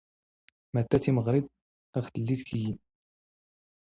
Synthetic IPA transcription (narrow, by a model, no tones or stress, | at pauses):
mæt̪ːæθiməʁɾid̪ˤ | æχt̪əlːiðkiji